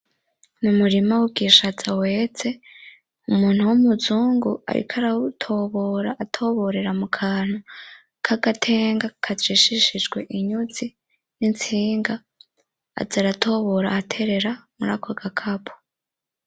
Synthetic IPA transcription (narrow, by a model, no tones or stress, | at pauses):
numuɾimawub̚ɡiʃazawe̞t͡se̞ | umuːn̥uwumuzuːŋɡua̰ɾḭkʰaɾautʰo̞βoɾaʔːtʰo̞βo̞ɾe̞ɾamukʰaːn̥u | kʰaɡatʰe̞ːŋɡakʰaziʃiʃid͡ʒɡwe̞ʔiɲuzi | nint͡siːŋɡa̰ː | zaɾatʰo̞βo̞ɾa̰ːtʰe̞ɾe̞ɾamuɾakʰoɡakʰapʰo̥